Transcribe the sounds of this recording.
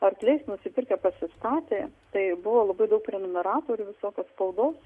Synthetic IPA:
ɐrklʲɛɪsnʊsʲɪpʲɪrʲkʲɛpɐsʲɪst̪ɑːt̪ʲeːt̪ɐɪbʊʋoːlˠɐbɐɪd̪ɐʊkɾʲɛnʲɛnɐɾɑːt̪oːɾʲʊʋʲɪsoːkʲoːsspɐʊd̪oːs

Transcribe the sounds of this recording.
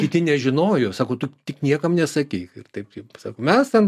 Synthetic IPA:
kʲɪt̪ʲɪnʲɛʒʲɪnoːjoːsɑːkoːt̪ʊt̪ʲɪknʲiɛkɐmnʲɛsɐkʲiɪɪrt̪ɐɪppsɑːkomʲɛst̪ʲɛn

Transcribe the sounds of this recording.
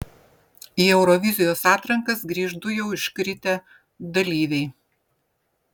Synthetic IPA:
iːɛʊɾɔʋʲɪzʲɪjoːsɑːt̪ɾɐŋkɐsɡɾʲiːʒd̪ʊjɛʊɪʃkɾʲɪt̪ʲɛ | d̪ɐlʲiːʋʲɛɪ

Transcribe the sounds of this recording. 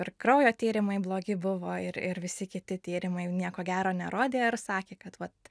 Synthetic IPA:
ɪɾkɾɐʊjoːt̪ʲiːɾʲɪmɐɪblˠoːɡʲɪbʊʋoːɪɾɪɾʋʲɪsʲɪkʲɪt̪ʲɪt̪ʲiːɾʲɪmɐɪnʲiɛkoːɡʲæːɾoːnʲɛɾoːd̪ʲeːɪɾsɑːkʲeːkɐt̪ʋɐt̪

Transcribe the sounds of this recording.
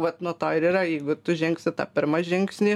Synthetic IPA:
ʋɐt̪nuɔt̪oːɪɾiːɾɐjɛɪɡʊt̪ʊʒʲɛŋksʲɪt̪ɑ̰ːpʲɪɾmɐʒʲɪŋksʲnʲiː

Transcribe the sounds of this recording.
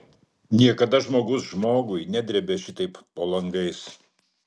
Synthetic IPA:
nʲiɛkɐd̪ɐʒmoːɡʊsʒmoːɡʊɪnʲæd̪ʲɾʲɛbʲeʃʲɪt̪ɐɪpːoːlˠɐŋɡɐɪs

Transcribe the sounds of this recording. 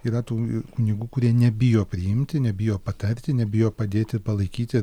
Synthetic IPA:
iːɾɐt̪uːkʊnʲiɡuːkʊɾʲiɛnʲɛbʲɪjoːpʲɾʲɪjɪmʲt̪ʲɪnʲɛbʲɪjoːpɐt̪ɐɾʲt̪ʲɪnʲɛbʲɪjoːpɐd̪ʲeːt̪ʲɪpɐlˠɐɪkʲiːt̪ʲɪ

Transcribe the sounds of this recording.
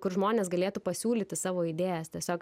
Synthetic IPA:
kʊrʒmoːnʲeːsɡɐlʲeːt̪uːpɐsʲuːlʲiːt̪ʲɪsɑːʋoːid̪ʲeːjɛst̪ʲɛsʲoːk

